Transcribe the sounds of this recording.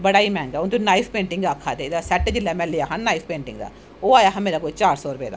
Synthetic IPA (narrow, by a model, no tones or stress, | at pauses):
bəɽaːimɛ̃ːŋɡɛːʊnt̪onaːipʰpẽːɳʈɪ̃ŋɡaːkʰːaːd̪eːd̪aːsɛːʈːd͡ʒɪlːɛːmɛ̃ːlɪjaːɦãnnaːipʰpẽːɳʈɪ̰ŋɡd̪a̰ː | oːaːjaːɦə̃meːɾaːkoːt͡ʃaːɾsɔːɾʊpḛːd̪a̰ː